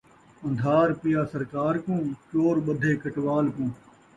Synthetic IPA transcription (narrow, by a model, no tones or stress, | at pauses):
ə̃nd̪ʱaːɾpijaːsəɾkaːɾkũːt͡ʃoːɾɓəd̪ʱeːkəʈʋaːlkũː